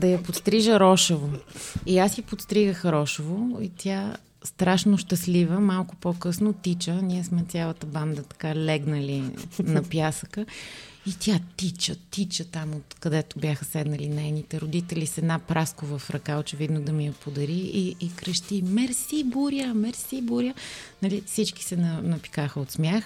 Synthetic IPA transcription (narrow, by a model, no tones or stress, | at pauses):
d̪ɐjɐpot̪st̪ɾiʒəɾɔʃovoiasjɐpot̪st̪ɾiɡəxɾɔʃovoit̪ʰʲja | st̪ɾaʃnʊʃt̪ɐslivəmalˠkʊpokɤsnot̪it͡ʃəniɛsmɛt̪sʲalˠət̪əband̪ət̪ɐ̥kalɛɡnəlinɐpjasəkəit̪ʲjat̪it͡ʃət̪it͡ʃət̪amot̪kɐd̪ɛt̪ʊbʲjaxəsɛd̪nəlinɛjnit̪ɛɾʊd̪it̪ɛlisɛd̪napɾʔaskovəfɾɐkaot͡ʃɛvid̪nod̪ɐmiɐpod̪ɐɾiiːkɾəʃt̪imɛɾsibuɾjəmɛɾsibuɾʲjənɐlifsit͡ʃki̥sɛnɐnɐpi̥kaxəot̪smjax